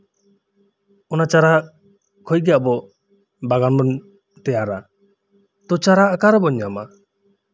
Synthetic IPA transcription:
ɔnat͡ʃaɾa | kʰɔjɡɛjaʔbɔ | baɡanmɔn | t̪ɛjaɾa | t̪ɔt͡ʃaɾaːkaɾəbɔɲama

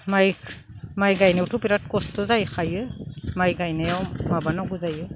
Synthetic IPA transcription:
maj | majɡajnewtupiɾat̚kɔstɔzajxajɯmajɡajnajawmabanɔɡuzajɯ

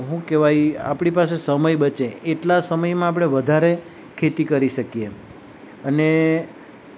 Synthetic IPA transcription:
ɦũkeʋaja̰pɽipas̬esəməjbət͡ʃeeʈlasəməjmãap̬ɽ̃eʋəd̪ʱaɾe | kʰet̪ikəɾiʃəkije | əne

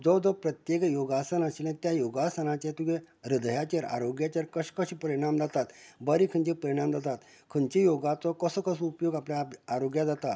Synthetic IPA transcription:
d͡zɔd͡z̪ɔpɾət̪jekjoɡasənaɕilẽt̪jajoɡasənãt͡ɕet̪uẽ | ɾid̪əjat͡ɕaɾa̰ɾoɡjat͡ɕaɾkəɕkəɕipəɾiɽ̃amd͡z̪at̪at̪bəɾikʰəɲt͡ɕepəɾiɽ̃amd͡z̪at̪at̪ | kʰənt͡ɕejoɡat͡sɔkəsəkəsəupjoɡapljaːɾoɡjad͡zat̪a

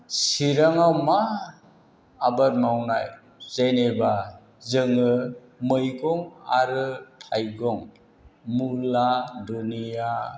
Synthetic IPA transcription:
siɾaŋawma | baɾmawnaj | zeneba | zɯŋɯ | mɯjɡɔŋa̰ɾɯtʰajɡɔŋ | muladunija

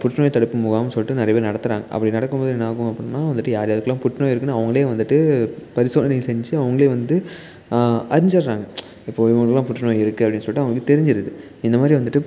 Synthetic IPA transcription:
pʊʈːnoːjt̪ɐɽɪpːɯmʊɣaːmnsɔlːɪʈːɯnɪɾɐjɐpeːɾnɐɽɐt̪ːɯɾa̰ːŋɡɐʔɐ̰pːɐɽinɐɽɐkːɯmpoːðɯɛnːɐaːkɯ̃ɐpːɐɽɯnːaːʋɐnd̪ɯʈːɯjaːɾɐjaːðɯkːɐlːãːpʊʈːnoːjɪɾɯkːɯnːaːɐʋɐŋɡɐɭeːʋɐnd̪ɯʈːɯpɐɾɪsoːlɐnilsɛɲd͡ʒɯɐʋɐŋɡɐɭeːʋɐnd̪ɯ | ɐɾɪɲd͡ʒɐɾɾaːŋɡɐ | ɪpːoːɪʋɐŋɡɐɐlːãːpʊʈːɐnoːjɪɾɯkːɯɐpːɐɽɪnːɯsɔlːɪʈːɯɐʋɐɡɭɯkːɯt̪ɛɾɪɲd͡ʒɪɾɐðɯ | ɪnd̪ɐmaːd̪ɾiʋɐnd̪ɯʈːɯ

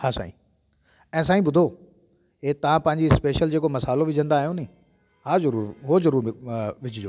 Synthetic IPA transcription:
haːsa̰ːḭ̃ː | ɛ̃ːs̬aːĩbʊd̪ʱo | eːt̪ɐʋ̤ãpɐ̃ɦɪ̃ɲd͡ʑispeːʃəld͡ʑeːkomɐsaːloʋɪd͡ʑʱə̃nd̪aːɦijõnɐĩː | ɦaːzɐɾuːɾɦozɐɾuːɾʋɪt͡ɕɪd͡ʑoː

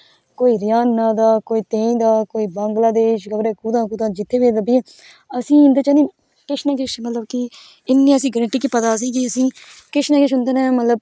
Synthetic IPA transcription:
koːiːɾɪjaːnːaːd̪aːkoːiːt̪ẽːĩːd̪aːkoːiːbəŋɡlaːd̪eːʃɡəbɾeːkud̪ãːkʊd̪ãːd͡ʒɪt̪ʰːeːbeːd̪əbi | əsĩːɪnd̪eːt͡ʃə̃nĩː | kɪʃnãːk̬ɪʃmət̪ləbki | ɪnːĩːəsĩːɡɾẽʈiːkiːpət̪aːs̬ĩːkiəsĩːkɪʃnãːkɪʃɦʊnd̪eːnɛ̃ːmət̪ləb

